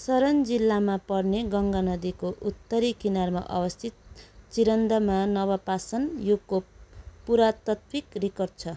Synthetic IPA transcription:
sʌɾʌnd͡zilːamapʌrneɡʌŋɡanʌd̪ikoʔut̪ːʌɾikinarmaʔʌ̰wʌst̪ʰit̪̚t͡siɾʌnd̪ʌmanʌβʌpasʌnjukopuɾat̪ʌt̪wikrikʌrd̪̚t͡sʰʌ

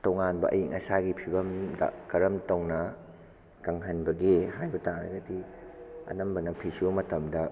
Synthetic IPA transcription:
towŋanbɐ̰ʔɐ̰jiŋʔɐsaɡipʰibɐmdɐ̰kɐɾɐmtɐwnɐ | kɐŋɦɐnbɐɡiɦajbɐtaŋɾɐ̰ɡɐdiɐ̰nɐmbɐnɐpʰisumɐtɐmdɐ

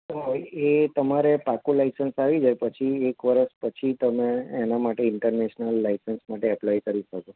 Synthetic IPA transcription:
oet̪əmaɾepakũlaisənsaʋid͡ʒajpət͡ʃʰiekʋəɾəʃpət͡ʃʰit̪əmẽːnamaʈeɪɳʈəɾneʃnəlːaisənsmaʈeɛplajkəɾiʃəko

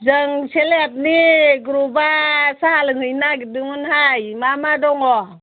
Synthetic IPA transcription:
zəŋseleap̚niɡɾubasalɯŋɯjnaɡidɯŋɯnhajmamadɔŋɔ

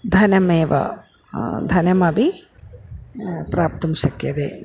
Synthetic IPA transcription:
d̪ʱɐnɐmeːʋɐ̰ | d̪ʱɐnɐmɐbi | pɾaːp̚t̪ɐmsɐkjɐd̪ḛ

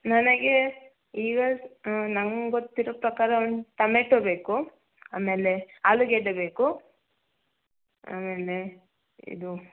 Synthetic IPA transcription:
nɐnɐɡe | iːɡɐnɐŋɡɡot̪ːiɾoːpɾɐkaːɾɐond̪ut̪ɐmeʈːobe̞ːku | aːme̞ːle̞aːluɡeɖebe̞ːku | a̰ːme̞ːle | ḭd̪u

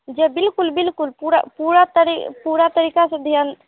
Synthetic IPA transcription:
d͡ʒebɪlkulbilkulpuɾa̰puɾat̪əɾipuɾat̪əɾikasẽd̪ʱjan

